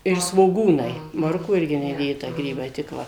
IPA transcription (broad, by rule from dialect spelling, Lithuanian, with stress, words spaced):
ɪr sʋoːˈɡuːnɐɪ ˈmoːrkuː ˈɪrʲɡʲɪ nʲɛˈdʲeːtɐ ˈɡrʲiːbɐɪ tʲɪk ˈʋɐ